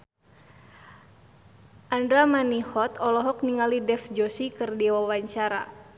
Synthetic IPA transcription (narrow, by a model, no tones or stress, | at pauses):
ʔandɾamanihɔt̪ɔlɔɦɔk̚niŋalidɛfd͡ʒɔsikɨrdiwawaɲt͡ʃaɾa̰